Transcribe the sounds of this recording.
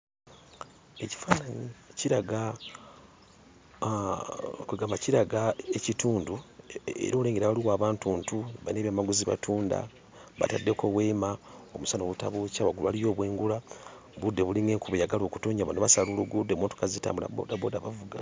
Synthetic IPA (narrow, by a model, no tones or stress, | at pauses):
e̞ci̥faːnaniciɾaɡa | kuɡaːmaciɾaɡaecituːnduḛɾoleːŋɡeɾaβaliwaːβaːntuːntuβa̰ineβjamaɡuziβa̰tʰuːnda̰ | βa̰tadːe̞kʰo̞βweːmaomusano̞βuta̰βocaβaɡuluβalijo̞ːβwe̞ːŋɡula | βudːe̞βuliŋe̞ːŋkuβejaɡalo̞ːku̥toːɲaβanoβasaloluɡudemoːtu̥kazita̰ːmbula̰bo̰dabo̞ːdaβavuɡa̰